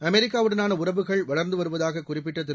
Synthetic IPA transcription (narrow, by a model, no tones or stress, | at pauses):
ɐmɛɾɪkːaːʋɯɽɐnaːnɐʊrɐʋɯɣɐɭʋɐɭɐɾnd̪ɯʋɐɾɯʋɐðaːɣɐkʊrɪpːɪʈːɐt̪̬ːɪ